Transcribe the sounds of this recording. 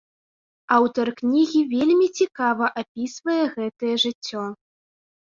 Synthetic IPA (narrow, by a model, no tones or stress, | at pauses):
awt̪ɐrknʲiɣʲivʲelʲmʲit͡sʲikavɐʔapʲisvɐjɛɣɛt̪ɐjɛʐɨt͡sʲːɔ